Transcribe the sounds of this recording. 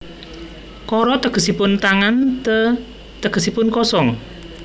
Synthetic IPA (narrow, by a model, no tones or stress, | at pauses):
kɔɾɔt̪əɡ̥ə̤sipʊnt̪aŋant̪ə | t̪əɡ̥ə̤sipʊnkɔsɔŋ